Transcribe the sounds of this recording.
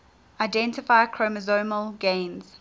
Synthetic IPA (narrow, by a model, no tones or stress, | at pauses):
aɪdɛ̃ntɪfaɪəkʰɹoməzoːməlɡẽɪ̃nz̥